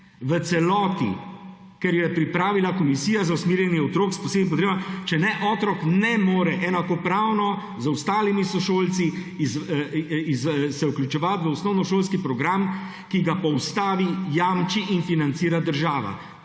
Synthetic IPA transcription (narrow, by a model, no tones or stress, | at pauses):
ʋət̪sɛlɔːt̪ḭ | kɛɾjɛpɾipɾaːʋilakɔmisiːjazausmiːɾjɛnjɛɔt̪ɾoːkspɔseːd̪mimpɔt̪ɾeːbat͡ʃɛnɛʔɔːt̪ɾɔknɛmoːɾɛʔɛnakɔpɾaːwnɔ | zwst̪aːlimisɔʃoːlt̪si | z | izsɛuklʲut͡ʃɛʋat̪ʋəɔsnɔwnɔʃoːlskipɾɔɡɾam | kiɡapɔwst̪aːʋijamt͡ʃiʔinfinant̪siːɾad̪əɾʒaːʋa̰